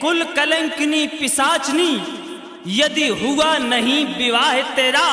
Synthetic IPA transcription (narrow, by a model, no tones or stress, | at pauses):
kʊlkɐlɐ̃ŋknipɪsaːt͡ʃni | jɐd̪iɦʊwanɐɦĩbɪʋaːɦɪt̪eːɾaː